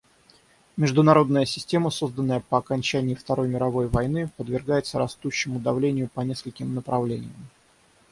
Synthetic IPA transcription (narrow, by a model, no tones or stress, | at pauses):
mʲɪʐd̪ʊnɐɾo̞d̪nəjəsʲɪ̥sʲtʲe̞məso̞zd̪ənːəjəpəɐkɐnʲt͡ɕænʲɪɪft̪ɐɾo̞jmʲɪɾɐvo̞jvɐjnɨpəd̪vʲɪrɡajɪt̪səɾɐst̪uɕːɪmʊd̪ɐvlʲenʲɪjʊpɐnʲe̞skəlʲkʲɪmnəpɾɐvlʲenʲɪ̰jəm